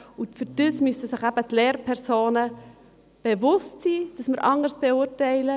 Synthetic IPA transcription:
ʊfyɾd̥əsmysəsɪχæb̥ətleːɾpʰɛɾsoːnə | b̥evʊstsiːd̥ɑsməɾʔɑŋəɾsb̥eʊːɾtɛɪlə

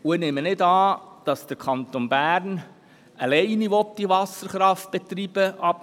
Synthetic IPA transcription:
ʊɪnemənɪdɑːd̥ɑsd̥əɾkʰɑnt̪onbæːɾn | əlɛɪniʋɔp̚d̪iʋɑsəɾχɾɑft̚b̥ɛt̪ɾiːb̥əʔɑp

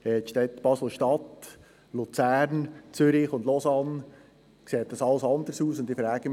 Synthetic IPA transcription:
ɛt̪ʃtɛt̪b̥ɑsl̩ˠʃtɑt̪ | lut͡sæːɾnt͡sʏɾiχʊndlɔsɑn | kseːt̚dɑsɑləsɑnd̪əɾsuːsʊnd̪ifɾæːɡ̥ə

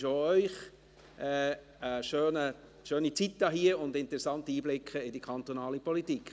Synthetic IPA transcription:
ʃoœʏχ | ʔɛ | əʃøːnə | ʃøːnit͡sitːɑɦiəʊndɪntəɾɛsɑntəiːblɪkʰəɪdikʰɑnt̪onɑːlipʰɔlitik

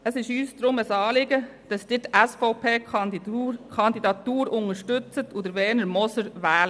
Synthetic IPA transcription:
əsɪʃyːsd̥̪ɾʊməsɑːlɪɡəd̥ɑsd̥ɪːtæsfɔʊpʰeː | kʰɑnd̪idɑt̪uːɾʊŋəɾʃtʉt͡sətʰʊd̪əɾʋɛːnəɾmɔsəɾʋæːlə

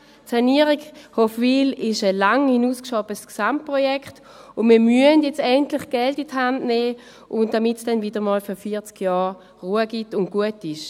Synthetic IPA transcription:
saniəʁikhofʋiːlɪʃəlaŋhinuːskʃɔbəsksamt̚pʁɔjɛkχt | ʊnmiːɐmyəndjɛt͡stɛntlɪχɡ̥ɛltithandnɛː | ʔʊntd̥amɪtsd̥ɛnvidəmɔːlfyɐfiːɐt͡skjɑː | ʁuːəɡ̥itʊn̚ɡ̥uətɪʃ

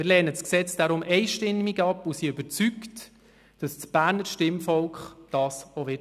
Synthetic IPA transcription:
mɪːlɛːnəsksɛt͡sd̥aɾʊmʔɛɪʃtɪmːiɡɑpʊsiøbət͡sykt | d̥ɑsb̥æːɾnəɾʃtɪmfɔlkχd̥ɑːsɔʋɪ

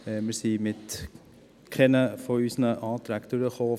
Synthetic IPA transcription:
mɪsiːmɪt̪ | kʰɛnəfɔysənəʔɑːt̪ɾækt̪uɾəχoː

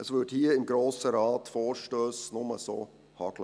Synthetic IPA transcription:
əsvʏthiːɪmɡɾoːsəɾɑːtfoːɹʃtøːsnʊməso̰ː | hɑɡ̥lə

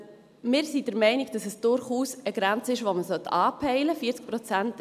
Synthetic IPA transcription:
mɪːɾsid̥əɾmɛɪniɡd̥ɑsəsd̥ʊɾχuːsəɡɾænt͡səɪʃvʋoməsœt̪ːʰɑːpʰɛɪləfiːət͡sk̚pɾɔt͡sænt

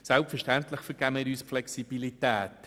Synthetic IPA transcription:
sɛlˠpfɛɾʃtɛntlɪχfəɾɡ̥æmɪːɾyːsflɛksib̥ilitæːt

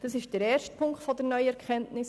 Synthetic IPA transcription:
d̥əsɪʃd̥əɾɛːɾʃtpʰʊŋkχtfɔdəɾnœʏəɛɾkʰχɛntnɪs

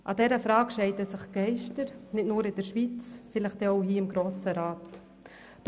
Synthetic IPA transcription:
ʔɑ̰dɛɾəfɾɑːkʃɛɪtəsɪχɡ̥ɛɪʃtəɾnɪt̚nuːɾɪd̥əɾʃʋit͡sfɪlɪχtɛoʊhiːɪmɡɾoːsəɾaːt | d̥

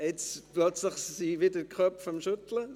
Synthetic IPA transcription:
ɛt͡splœt͡slɪχsiːʋɪdəkχœpfɔmʃʊtlə

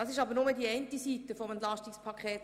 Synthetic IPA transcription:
ɑsɪʃɑbəɾnʊmədiɛɪntisitəfɔmɛnt̪lɑʃtikspʰɑkʰχɛːt

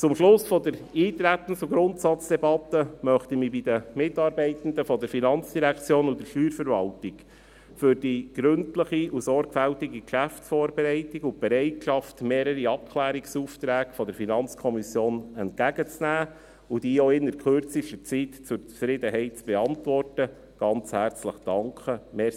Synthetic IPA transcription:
t͡sʊmʃlʊsfɔdəɾiːt̪ɾæt̪ːən̩t͡suɡɾʊnt̪sɑt͡sd̥ɛbɑt̪ːəmœχt̪imibid̥̪əmɪtːɑːɾbɛɪt̪n̩d̪əfɔd̪əɾfinɑnt͡sd̥iɾækt͡sjoːnud̪əʃyːɾfəɾvɑltik | fʏɾd̥iɡ̥ɾɵntləχiusɔɾɡfæltiɡikʃæftsfɔːɾbɛɾɛɪtiɡʊb̥ɛɾɛɪtʃɑftmeːɾəɾiɑp̚kʰlæːɾiksuːft̪ɾæːkfɔd̪əɾfinɑnt͡skʰɔmisjoːnɛntkæɡət͡snæː | ud̥iːoɪnːəɾkχøɾt͡siʃtət͡sitt͡sʊɾt͡sfɾɪd̪əɦɛɪt̚t͡sb̥eɑntvɔrtə | ɡ̥ɑnt͡shæːɾt͡sləχd̥ɑŋkχəmɛ

